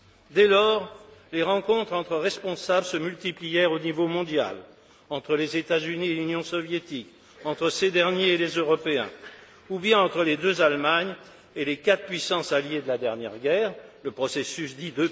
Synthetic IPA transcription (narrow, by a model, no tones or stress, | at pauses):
d̪ɛlɔːʁleʁɑ̃kɔ̃t̪χɑ̃t̪χəʁɛspɔ̃sablsəmylt̪iplijɛʁonivomɔ̃d̪ja̰l | ɑ̃t̪χəlezet̪azynielynjɔ̃sɔvjet̪ik | ɑ̃t̪χəsed̪ɛʁnjeelezøʁɔpeɛ̰̃ | ubjɛ̃ɑ̃t̪χəled̪øzalmaɲ | elekat̪pɥisɑ̃saljed̪əlad̪ɛʁnjɛ̰ʁɡʲɛːʁləpχɔsesysd̪id̪ø